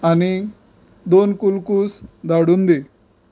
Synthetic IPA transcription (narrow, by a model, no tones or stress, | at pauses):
ɐni | d̪oːnkulkusd̪ɐɽund̪i